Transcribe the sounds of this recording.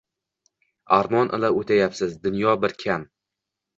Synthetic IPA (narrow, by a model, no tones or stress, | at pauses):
aɾmɒnʔɪ̰laot̪ʰajapsɪzd̪ʊnjɒbɪɾkʲʰam